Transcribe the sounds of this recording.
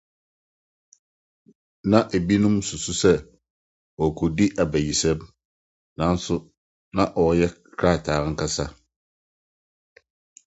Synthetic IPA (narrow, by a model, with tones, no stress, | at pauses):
nã˨ʔe˨bi˦nʊ̃˦msu˨su˦sɛ˦ | ɔ˨kʰɔ˨di˦ʔa˨bæ˨ji˨sɛ˦b | nã˨˦n̩˦sʊ˦ | nã˨ʔɔ˨jɛ˦kʰɾa˦˨tʰaː˨ɾŋ̩˨kʰa˦sa˦